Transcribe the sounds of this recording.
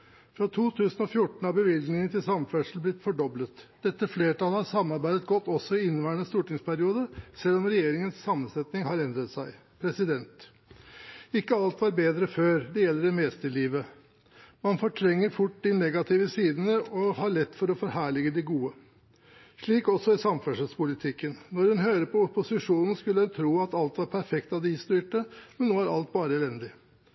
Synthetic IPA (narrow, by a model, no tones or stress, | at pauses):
fɾɑt̪ʰuːt̪ʰʉːsn̩ɔfjʊʈːɳ̩ɑbəʋɪlɡ̪nɪŋən̩t̪ɪlsɑmfɛʂəl̩blɪt̪ːfɔɖɔblət̪d̪̥ɛt̪ːəfleːʈɑlhɑɾsɑmːɑɾbæɪd̪ət̪ɡɔt̪ːɔsːɔɪɪnːʋæːɳəst̪uːʈɪŋspʰæɾɪuːd̪əsɛlːɔmɾɛjeːɾɪŋənsːɑmːənsɛt̪nɪŋhɑɾɛnd̪ɾət̪sæɪ | pʰɾɛsɪd̪ɛnt̪ | ɪkːəɑlt̪ʋɑɾbeːd̪ɾəføːɾd̪ɛjɛlːəɾɛmɛːst̪əɭiːʋə | mɑnfɔʈʰɾɛŋːəɾfʊʈ̚ːd̪ɪnɛɡɑt̪ʰɪʋəsiːd̪nəʔɔhɑɭɛt̪ːfɔɾɔfɔɾɦæːɭɪɡəd̪ɪɡuːə | ʂɭiːkɔsɔɪsɑmfœʂəspʊlɪt̪ʰɪkːənnɔɾhʉnɦøːɾəpʰɔʊpʊsɪʂuːnn̩skʉlːəhʉnt̪ʰɾuːɑt̪ɑlt̪ʋɑɾpʰæɾfɛkt̪ɑd̪ɪst̪yɪːʈəmɛnːoːæɾɑ̰lt̪̚bɑːɾəɛlɛnd̪ɪ